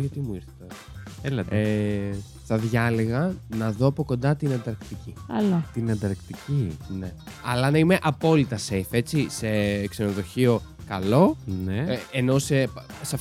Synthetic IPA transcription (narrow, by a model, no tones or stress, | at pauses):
ʝɐt̪imuiɾθet̪ɐs | elɐt̪e | θɐðʝɐleɣɐnɐðo̞ɐpo̞ko̞nd̪ɐt̪inend̪ɐɾkt̪iciɐlot̪inend̪ɐɾkt̪icine̞ɐlɐnɐime̞ʔɐpo̞lit̪ɐsejfe̞t͡sise̞kse̞no̞ðo̞çio̞ | kɐlo̞neeno̞sesɐf